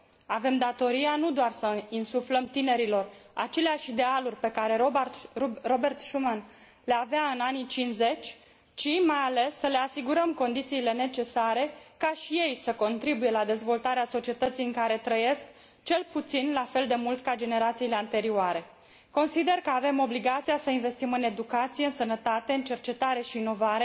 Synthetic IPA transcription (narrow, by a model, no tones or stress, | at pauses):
ave̞md̪at̪o̞ɾianud̪oarsəinsufləmt̪ine̞ɾilo̞rat͡ʃe̞leaʃid̪e̞alurʲpe̞kaɾe̞ | robe̞rt̪ʃuman | leaveaɨnanit͡ʃinze̞t͡ʃʲ | t͡ʃimajale̞sːəle̞asiɡuɾəmko̞nd̪it̪siːle̞ne̞t͡ʃe̞saɾe̞kaʃije̞jsəko̞nt̪ɾibuje̞lad̪e̞zvo̞lt̪aɾeaso̞t͡ʃie̞t̪ət̪sijɨŋkaɾe̞t̪ɾəje̞sk | t͡ʃe̞lput̪sinlafe̞ld̪e̞mult̪kad͡ʒe̞ne̞ɾat̪siːle̞ant̪e̞ɾiuaɾe̞ | ko̞nsid̪e̞rkəave̞mo̞bliɡat̪sijasəinve̞st̪imɨne̞d̪ukat̪sijeɨnsənət̪at̪e̞ɨnt͡ʃe̞rt͡ʃe̞t̪aɾe̞ʃiːno̞vaɾe̞